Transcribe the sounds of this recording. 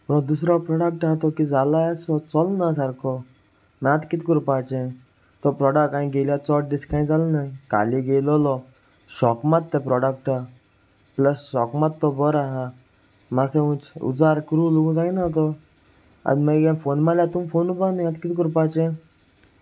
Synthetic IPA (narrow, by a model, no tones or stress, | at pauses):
pɔd̪us̬ɾɔpɾɔɽək̚ʈat̪ɔkid͡zalaasɔt͡sɔlnasaɾkʰɔ | mɛ̃ãt̪kit̪kɔɾupat͡ʃẽ | t̪ɔpɾɔɽəkkaĩɡeljat͡sɔʈ̚ɖiskãĩd͡zalɔnaĩka̰liɡelɔlɔ | ɕɔkmat̪ːɛpɾɔɖək̚ʈa | pləsːɔkmat̪ːɔbɔɾaɦa | masẽũt͡ʃṵd͡zaɾkɾulũd͡zainat̪̬ɔ | a̰d̪mẽɡamfonmalat̪umfonubanĩãt̪kit̪kəɾupat͡ʃẽ